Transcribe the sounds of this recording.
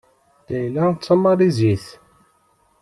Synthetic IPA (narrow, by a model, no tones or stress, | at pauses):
d̪̥æjlæt͡sːɑmɑɾˤiziθ